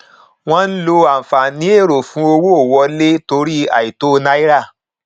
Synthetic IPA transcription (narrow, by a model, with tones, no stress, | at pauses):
w̃ɔ̃˦n̩˦lo˧a˨fa˨nĩ˨˦e˦˨ɾo˨fũ˨˦o˧wo˦o˦˨wɔ˧le˦to˧ɾi˦a̰˨i˨to˦˧nã˧i˦ɾa˦˨